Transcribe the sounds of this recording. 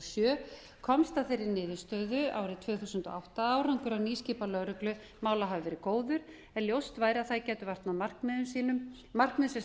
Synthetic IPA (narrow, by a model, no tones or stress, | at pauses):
sjœː | kʰɔmst̪aθejɾɪɾnɪːðʏst̪œːðʏa̰ːwɾɪt̪ʰv̥œːθusʏnt̪ɔ̰awht̪aaːwɾaŋkʏɾawniːsciːpalœɾʏklʏ | maːwlaɦavʏvɛːɾɪkoːwðʏɾ̥ | ɛnljowst̪vaːjɾaθajcɛːt̪ʏvar̥t̪nawmar̥kmɛðʏmsiːnʏm | mar̥kmɛðsɛ